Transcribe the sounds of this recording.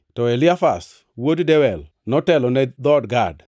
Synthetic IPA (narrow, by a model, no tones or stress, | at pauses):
tɔelɪafa̰s | woddɛwɛl | nɔtɛlɔnɛd̪ɔdɡad